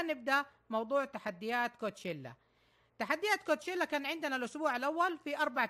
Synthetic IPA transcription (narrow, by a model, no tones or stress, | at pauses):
nɪb̚d̪aʔ | mɑwd̪ˤuːʕt̪aħad̪ːɪjaːt̪koːt̪ʃɪlːa̰ | t̪aħad̪ːɪjaːt̪kot̪ʃɪlːakaːnʕɪnd̪ɪnalʔʊsbuːʕalʔawːalfiʔɑɾˤbaʕ